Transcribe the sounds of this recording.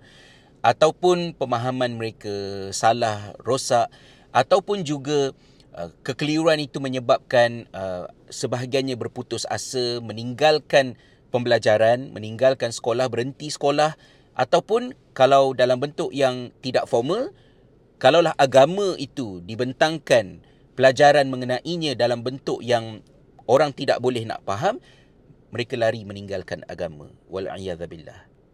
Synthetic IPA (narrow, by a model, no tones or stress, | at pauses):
ʔat̪awpʊnpəmãɦamãnməɾekasalahrosaʔ | at̪awpʊnd͡ʒuɡa | ə̰kəkəliuanit̪umə̃ɲəbap̚kanəsəbaɦaɡianɲãbərput̪ʊsa̰səmə̃niŋɡalkan | pəmbəlad͡ʒaɾanmʔə̰̃niŋɡalkansə̥kolahbəɾənt̪isə̥kolah | ʔat̪awpʊn | kalawdalambənt̪ʊʔjaŋt̪idaʔfɔrmə | kalawlaɦaɡamə̃ʔit̪udibənt̪aŋkan | pəlad͡ʒaɾanmə̃ŋənãʔiɲãdalambənt̪ʊʔjaŋ | oɾaŋt̪ida̰ʔbolɛhna̰ʔpaɦamː | əɾekalaɾiməniŋɡalkana̰ɡamã̰wa̰lʕḭjaðbilːa̰h